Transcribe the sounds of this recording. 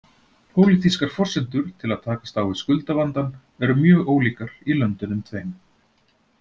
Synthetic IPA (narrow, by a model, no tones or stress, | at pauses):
pʰoːwliθiskaɾ̥fɔr̥sɛnt̪ʏɾ̥t̪ʰɪlaðt̪ʰaːkḁst̪awɪskʏlt̪avant̪an | ɛɾʏmjœːɣoːwliːkaɾilœnt̪ʏnʏmt̪ʰvejm